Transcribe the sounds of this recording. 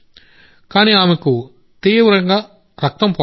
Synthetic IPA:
kaːniːaːmeku | t̪iːʋɾɐŋɡaː | ɾɐk̚t̪ɐmpɔ

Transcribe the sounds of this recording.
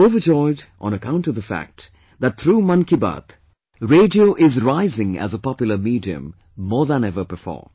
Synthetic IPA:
oʊvəd͡ʒɔɪdʔə̃nəkʰãʊ̃ntʌvðəfæ̰k̚t | ðət̚t̪ʰɾuːmʌ̃nkibə̰t̪ | ɹeɪdioʊʔɪzɹaɪzɪ̃ŋæ̰zəpɑpjl̩ˠəmiːdiɨ̰̃mː | ɔːðə̃nɛvə˞bɪfɔ̰ːɹ

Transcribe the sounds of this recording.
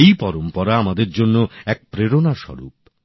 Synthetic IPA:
ejpɔɾompɔɾaamad̪eɾd͡ʑonːoɛk̚pɾeɾonaʃɔ̰ɾṵp̚

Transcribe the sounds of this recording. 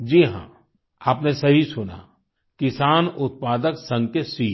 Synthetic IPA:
d͡ʒiːɦã̰ː | aːpnesɐɦisʊna̰ | kɪsaːnʊt̪̚paːd̪əksə̃ŋɡkesiː

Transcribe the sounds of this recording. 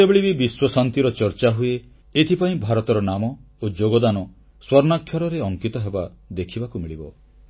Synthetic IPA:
sebeɭibibiswɔsant̪iɾɔt͡ʃɔɾt͡ʃaɦue | et̪ʰipaĩbʱaɾɔt̪ɔɾɔnamɔ | od͡ʒoɡɔd̪anɔ | swɔɾnakʰjɔɾɔɾeɔŋkit̪ɔɦebad̪ekʰibakumiɭibɔ

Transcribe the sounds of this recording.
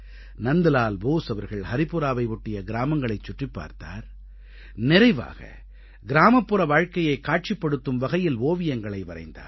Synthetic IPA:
nɐnd̪ɯlaːlboːsɐʋɐɾɣɐɭhɐɾɪpɯɾaːʋɐɪʋʊʈːɪjɐɡɪɾaːmɐŋɡɐɭɐɪt͡ʃːʊʈrɪpːa̰ːɾt̪a̰ːɾ | nɪɾɐɪʋa̰ːɣɐ̰ | ɡɪɾaːmɐpːɯrɐʋaːɻkɐjɐɪkːaːʈ̚t͡ʃɪpːɐɽɯt̪ːɯmʋɐɣɐjɪlʋoːʋɪjɐŋɡɐɭɐɪʋɐɾɐ̰ɪnd̪a̰ːɾ

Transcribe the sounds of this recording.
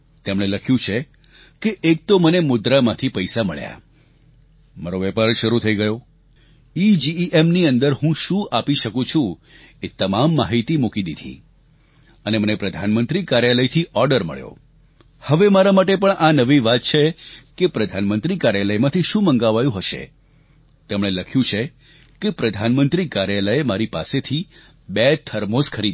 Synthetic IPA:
t̪emɽ̃eləkʰjũt͡ʃʰe | keʔːk̚t̪omənemʊd̪ɾamãt̪ʰipəjsaməɭja̰ | maɾoʋɛpaɾʃəɾut̪ʰəiɡəjo | id͡ʒiʔemniənd̪əɾɦũʃũʔapiʃəkũt͡ʃʰũ | et̪əmamːaɦit̪imukid̪id̪ʱḭ | ənemənepɾəd̪ʱanmənt̪ɾikaɾjaləjt̪ʰiʔɔɾɖəɾmə̰ɭjo̰ | həʋemaɾamaʈepəɳʔanəʋiʋat̪̚t͡ʃʰekepɾəd̪ʱanmənt̪ɾikaɾjaləjmãt̪ʰiʃũmə̃ŋɡaʋajũɦəʃḛ | t̪emɽ̃eləkʰjũt͡ʃʰe | kepɾəd̪ʱanmənt̪ɾikaɾjaləemaɾipa̰set̪ʰi | bet̪ʰəɾmoskʰəɾid̪

